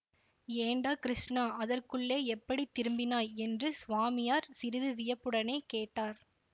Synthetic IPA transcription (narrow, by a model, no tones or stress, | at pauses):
eːɳɖaːkɪɾɪʂnaɐðɐrkɯɭːeːɛpːɐɽit̪ːɪɾɯmbɪnaːjɛndrɯsʊʋaːmɪjaːɾsɪɾɪðɯʋɪjɐpːɯɽɐneɪkeːʈːaːɾ